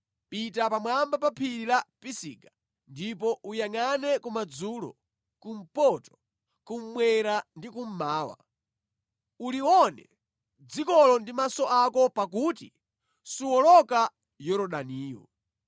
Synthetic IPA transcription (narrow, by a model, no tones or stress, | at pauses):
pitapamwambapapʰilapisiːɡa | ndipɔʔujaŋanɛkumad͡zulɔ̰ | kum̩pɔtɔ̥ | kum̩mwɛɾandikum̩maːwa̰ | uliwɔnɛ̰ | d͡zikɔlɔndimasɔʔakɔpak̬utḭ | suwɔlɔka | jɔɾɔɗaniːwɔ̰